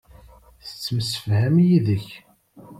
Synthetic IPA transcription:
θət͡sːəməsəfhæmjiðəç

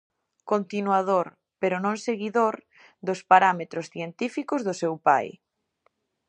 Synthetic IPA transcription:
kont̪inwaðoɾ | peɾonõŋseɣiðoɾ | d̪ospaɾamet̪ɾosθjent̪ifikʊzðʊsewpa̰j

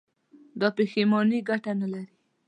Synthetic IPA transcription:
d̪ɑpexemɔniɡaʈanalaɾi

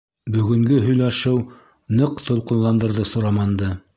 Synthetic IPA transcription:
bɵ̆ɡɵ̆ŋɡɵɦɵ̆jlæʃɘw | nɤqt̪ŏlˠqɤ̆nlˠɑnd̪ɤ̆ɾðɤsŏɾɑmɑnd̪ɤ

